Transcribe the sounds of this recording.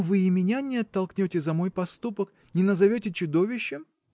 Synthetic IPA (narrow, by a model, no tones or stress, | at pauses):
vɨɪmʲɪnʲanʲɪɐt̪ːɐlˠknʲotʲɪzɐmo̞jpɐst̪upək | nʲɪnəzɐvʲɵtʲɪt͡ɕʊd̪ovʲɪɕːɪm